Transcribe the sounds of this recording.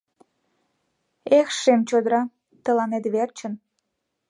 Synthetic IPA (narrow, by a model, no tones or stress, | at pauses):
exʃemt͡ɕod̪əɾɑ | t̪əlɑnet̪βert͡ɕən